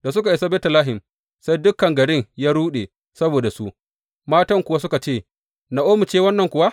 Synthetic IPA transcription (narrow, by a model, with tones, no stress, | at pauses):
d̥a˨s̬ʊ˦ka˨ʔɪ˨sa˦bɛː˦tɐ˨laː˦ɦɪ˨m | sa˦jdʊ˦kːɐ˨ŋɡɐ˨ɽɪ˦ŋjaː˦ɽuː˦ɗeː˨ | sɐ˦boː˨da˨su˦ʔ | maː˦tɐ˦ŋkʷʊ˨wa˦s̬ʊ˦ka˨t͡ʃeː˦˨ | na˨ʔoː˦mʊ˨t͡ʃeː˦wɐ˦nːɐ˨ŋkʷʊ˨wa˦